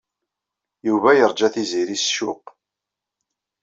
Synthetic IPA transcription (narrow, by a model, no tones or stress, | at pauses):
juvæjəɾˤd͡ʒæθiziɾisʃʊq